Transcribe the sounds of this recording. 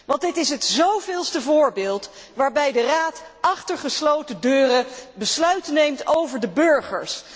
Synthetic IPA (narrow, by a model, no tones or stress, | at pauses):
ʋɑntdɪtɪsətzowvɪːlˠstəvʊːɹbɪːlˠt | ʋaːɹbɛjdəraːtʔɑχtəɹχəslowtədøːrəbəslœɥtənejmtowvəɹdəbɵɹχə̰ɹs